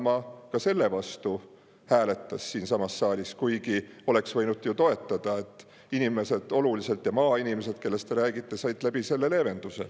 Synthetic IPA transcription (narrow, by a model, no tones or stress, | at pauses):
mɑkɑse̞lːe̞vɑst̪u | hæːle̞t̪ːˑɑsːiːnsɑmɑsːɑːlʲiskujɡio̞leksvɤ̞jnud̪jut̪o̞e̞t̪ːˑɑd̪̥ɑe̞t̪ːˑ | inime̞se̞d̪̥o̞lulise̞lt̪ˑjɑmɑːinimese̞d̪̚ke̞lːe̞st̪e̞ɾæːɡ̥it̪ˑːe̞sɑjt̪ˑlæb̥ise̞lːe̞le̞ːve̞nd̪̥use̞̰